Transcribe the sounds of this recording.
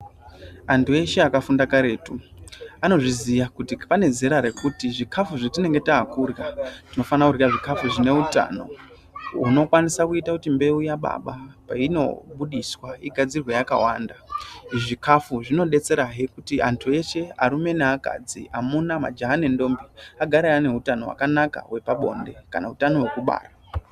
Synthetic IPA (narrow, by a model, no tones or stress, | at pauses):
antʰue̞ʃe̞akafundakaɾe̞ːtuano̞ʐizijakutipane̞ze̞ɾaɾe̞kutiʐikʰafuʐetine̞ŋɡe̞taːkurjatino̞fanakurjaʐikafuʐine̞uta̰no̞̰ | uno̞kwanisakuitakutimbe̞ujaɓa̰ɓapaino̞̰ɓuɗiswaiɡʱad͡zirwejaka̰waːndaʐikʰafuʐino̞ɗe̞t͡se̞ɾaɦekutiʔa̰ntʰue̞t͡ʃe̞a̰ɾume̞neaka̰d͡ziamunama̰d͡ʒaɦanendo̞mbiaɡʱaɾaane̞ɦutano̞wa̰kanaka̰we̞paɓo̞̰nde̞kanautano̞wekuɓa̰ːra